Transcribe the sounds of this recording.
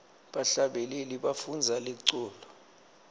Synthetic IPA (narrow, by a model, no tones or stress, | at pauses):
ɓaɬaɓɛleliɓafund͡zʱaleǀɔːlɔ